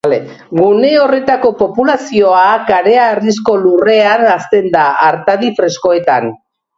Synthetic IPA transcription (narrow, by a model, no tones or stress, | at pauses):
le | ɣune̞o̞re̞t̪ako̞po̞pulasio̞akaɾe̞arisko̞lure̞anast̪e̞nd̪aːɾt̪aðifɾe̞sko̞e̞t̪an